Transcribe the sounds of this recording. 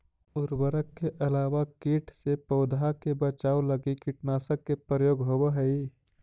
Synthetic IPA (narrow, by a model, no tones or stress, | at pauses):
ʊɾbəɾəkːeʔɐlaːwakiːʈʰsepəʊd̪ʱakebət͡ʃaːoləɡikiʈnaːsəkːepɾəjoːɡɦobeɦəi